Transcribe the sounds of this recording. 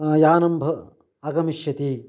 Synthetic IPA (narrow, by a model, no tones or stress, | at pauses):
jaːnɐmbʱɐ | ɐɡɐmiʃjɐt̪i